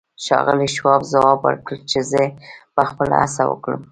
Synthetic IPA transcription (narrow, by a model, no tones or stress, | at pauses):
ʃɑ̰ɣəliʃwɑfzawɑbə̰ɾkəlt͡ʃezəpəxpəla̰a̰sawə̰kɽəm